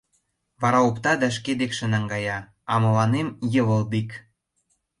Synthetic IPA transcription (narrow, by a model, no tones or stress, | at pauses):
βɑɾɑopt̪ɑd̪æʃ̬ked̪ekʃə̆nɑŋɡɑjɑ | ɑmɤ̆lɑnemjə̆βə̆lbik